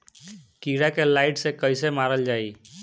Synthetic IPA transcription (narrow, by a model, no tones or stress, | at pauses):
kiɾakelaɪʈsekəjsemaɾəld͡ʒai